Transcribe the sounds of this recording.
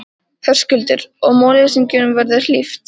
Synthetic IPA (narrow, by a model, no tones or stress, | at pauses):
θœr̥scʏlt̪ɪɾɔɣmoːlɪsiɲcɪnʏmvɛɾðɪ̥lift̪